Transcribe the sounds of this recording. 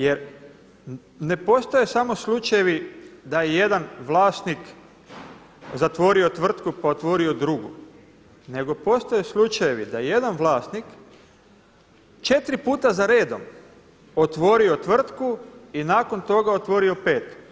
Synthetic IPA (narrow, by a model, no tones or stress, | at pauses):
je̞ɾ | ne̞po̞st̪ajesamo̞slˠut͡ʃajeʋid̪ajeje̞d̪anʋlˠaːst̪nik | zat̪ʋo̞ɾio̞t̪ʋr̩t̪kupaot̪ʋo̞ːɾio̞d̪ɾuɡṵ | ne̞ɡo̞po̞st̪ajeslˠut͡ʃajeʋid̪ajeje̞d̪anʋlˠaːst̪nik | t͡ʃe̞t̪ɾipuːt̪azaɾe̞ːd̪o̞m | ot̪ʋo̞ːɾio̞t̪ʋr̩t̪kuinaːko̞nt̪o̞ɡaot̪ʋo̞ɾio̞peːt̪